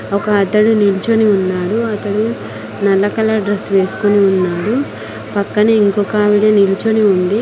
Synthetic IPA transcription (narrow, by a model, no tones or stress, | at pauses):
ɔkɐːt̪ɐɽunilt͡ʃoniunːaːɽuɐt̪ɐɽu | nɐlːɐkɐlɐɖɾesːʋe̞ːsu̥koniunːaːɽu | pɐkːɐneiŋkɔkɐʋiɽɐnilt͡ʃoniund̪i